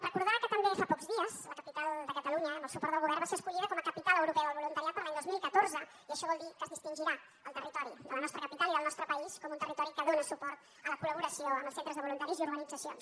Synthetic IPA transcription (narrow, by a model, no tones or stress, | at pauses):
rəkuɾðaβəkət̪əmbefapɔkzðiəsləkəpit̪alˠd̪əkət̪əluɲəːmbəlˠsupɔɾt̪əlɣuβɛrnbaseəskuʎiðəkɔməkəpit̪aləwɾupɛəðəlβulunt̪əɾiat̪̚pəɾlaɲd̪ozmilˠkət̪oɾzə | iəʃɔβɔlˠd̪ikəzðist̪inʲʒiɾa | əlˠt̪ərit̪ɔɾid̪ələnɔst̪ɾəkəpit̪aliðəlˠnɔst̪ɾəpəiskɔmunt̪ərit̪ɔɾikəðonəsupɔɾt̪ | ələkuləβuɾəsioəmbəlˠsent̪ɾəzðəβulunt̪aɾiziuɾɣənid͡zəsions